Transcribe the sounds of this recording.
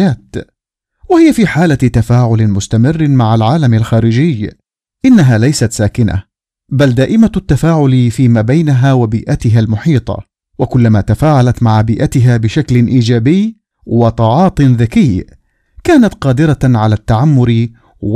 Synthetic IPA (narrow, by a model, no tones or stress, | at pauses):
aːt̪ | wahɪjafiːħaːlat̪afaːʕʊlmʊst̪amɪrːmaʕalʕaːlamalxaːɾɪd͡ʒɪj | ʔɪnːaɦaːlajsat̪saːkɪna̰ | bald̪aːʔɪmat̪ːafaːʕʊlfiːmaːbajnaɦaːwabiːʔat̪ɪɦalmʊħiːt̪ˤɑ̰ | wakʊlːamaːt̪afaːʕalat̪maʕabiːʔat̪ɪɦaːbɪʃaklɪnʔiːd͡ʒaːbɪj | wɑt̪ˤɑʕɑːt̪ˤnðakɪjː | kaːnat̪qɑːd̪ɪɾaʕalaːt̪ːaʕamːʊɾ | w